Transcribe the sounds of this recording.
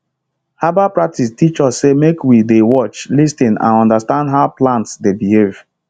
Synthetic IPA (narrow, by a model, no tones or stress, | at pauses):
habapɹak̚tʰistit͡ʃɔsːemekwidewɔt͡ʃlistĩnã̰nɔ̃ndastãndɦaʊplãntsdebihev̥